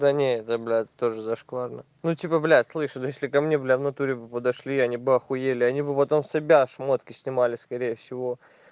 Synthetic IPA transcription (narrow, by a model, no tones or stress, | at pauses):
d̪anʲeɛt̪əblʲat̪ːoʐɨzɐʂkˠarnə | nutʲipəblʲæslˠɨʂɨd̪jesʲlʲɪkɐmnʲe̞blʲavnɐt̪uɾʲɪbɨpəd̪ɐʂlʲiɐnʲibɨɐxʊjelʲɪɐnʲibɨpɐt̪o̞msʲɐbʲaʂmot̪kʲɪsʲnʲɪmalʲɪskɐɾʲejəfsʲɪvo̞